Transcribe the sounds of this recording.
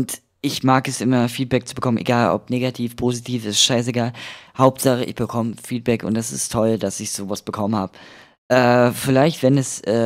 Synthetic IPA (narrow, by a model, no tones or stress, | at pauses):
ʊnt | ʔɪçmaːkɛsʔɪmɐfiːt̚b̥ɛk̚t͡subəkʰɔmənʔḛɡaːlɔ̰pneːɡatʰiːfpʰoːzitʰiːfɪstʃaɪs̬eɡaːlhaʊp̚tz̥aχəʔɪ̰çb̥əkʰɔməfiːt̚b̥ɛkʊ̰ntd̥asɪ̰stʰɔldasɪçz̥oːvasb̥əkʰɔmənhaːbə | ʔɛːfɪlaɪçtv̥ɛnɛsʔɛː